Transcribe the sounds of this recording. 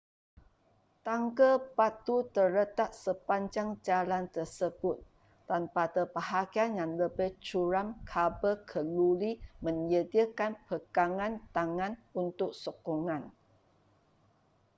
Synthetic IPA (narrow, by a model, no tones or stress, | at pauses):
t̪aŋkəpat̪ut̪ərlət̪aʔsəpaɲd͡ʒaŋd͡ʒalant̪ərsəbʊt̪̚ː | anpat̪əpaɦaɡianjaŋləbɪht͡ʃuɾamkʰabəkʰəlulimə̃ɲd͡ʒədiəkanpəɡaŋãnt̪aŋãnunt̪ʊk̚sokɔŋãn